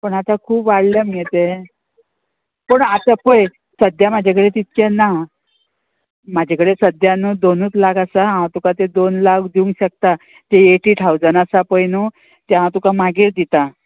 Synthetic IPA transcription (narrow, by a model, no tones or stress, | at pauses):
pəɳat̪akʰuːpʋaɽləmiet̪e | pəɳat̪apəj | səd̪jamad͡ʑʱakəɽet̪it̪t͡ɕenːa | mad͡ʑʱakəɽesəd̪januːd̪onuːt̪laɡasaɦãwt̪ukat̪ed̪onlakd̪iũŋɡɕək̚t̪a | t̪eeʈiʈ̪ʰawd͡zənasapəjnu | t̪ɛɦãwt̪ukamaɡiɾd̪it̪a